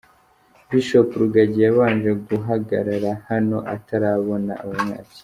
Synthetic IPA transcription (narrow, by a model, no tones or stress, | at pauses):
biʃo̞puɾuɡaɟijaβaːnd͡ʒeɡuɦaɡaɾaɾahano̞ʔataɾaβo̞na̰ːβaɲa̰ːt͡si̥